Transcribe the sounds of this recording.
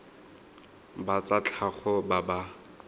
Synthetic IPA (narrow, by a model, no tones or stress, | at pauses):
bat͡sat͡ɬʰaχɔbaba